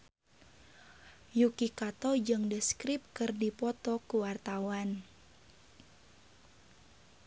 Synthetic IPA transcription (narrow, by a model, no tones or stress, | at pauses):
jukikat̪ɔd͡ʒɨŋdəskɾɪp̚kɨrdipɔt̪ɔkuwart̪awan